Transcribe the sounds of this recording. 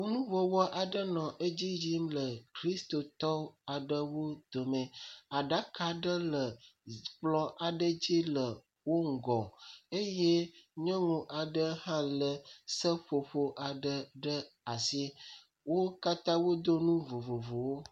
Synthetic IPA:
wo˦nũ˦vɔ˨wɔ˦ʔa˨ɖə˦nɔ̃˨ʔə˦d͡ʑi˦d͡ʑi˦mlə˨kɾi˦st̪o˨t̪ɔ˦a˨ɖə˦wo˦d̪̥o˨mẽ˨a˨ɖa˦ka˨ɖə˦lə˨k͡plɔ˦ʔa˨ɖə˦d͡ʑi˦lə˨ | wo˦ŋ̩˦˨ɡɔ˨e˦je˦ɲɔ̃˦ŋũ˨ʔa˨ɖə˦hã˦lə˨sə˦ɸo˨ɸo˨ʔa˨ɖə˦ɖə˦a˨si˦ | wo˦ka˦t̪ã˦wo˦d̪o˦nũ˦vo˨vo˨vo˨wo˦

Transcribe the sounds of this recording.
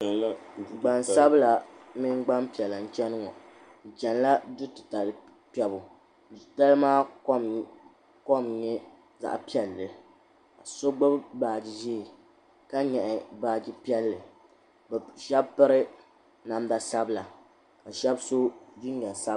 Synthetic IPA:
ɡ͡ba˨nsa˦bla˨mi˦ŋ˦ɡ͡ba˦mpi˨ɛ˨la˨n̩˦t͡ʃɛ˦nɨ˦ŋɔ̰˨ | n̩˨t͡ʃɛ˨n˦la˦dʊ˦tɨ˨ta˨lɨ˦ | pɛ˦bʊ˨ | ta˦lɨ˦maː˦ | ko˦mɲɛ˦ | za̰˨ʔpi˦ɛ˨lːɨ˨ | ka˨so˦ɡ͡bʊ˦bbaː˨d͡ʒi˦ʒiː˦˨ | ka˦ɲɛ˨ʔɪ˨baː˦d͡ʒi˦pi˦ɛ˦lːɨ˨ | bʃɛ˦bpɨ˦ɾɨ˦ | na˨mba˨sa˦bla˨ | ka˨ʃɛ˦bso˦du˦n˦ɲɛ˨sa˦

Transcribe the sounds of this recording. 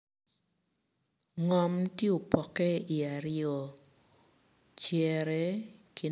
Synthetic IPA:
ŋɔ˨mtje˦o˨pɔ˨kɛ˦i˨a˨ɾɪjɔ˨ | t͡ʃjɛ˨ɾɛ˦kʰi˨

